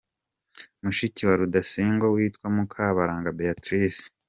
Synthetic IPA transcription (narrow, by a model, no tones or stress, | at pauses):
muʃiciwaɾudasiːŋɡowiːtkwamukʰaːβaɾaːŋɡabeatɾis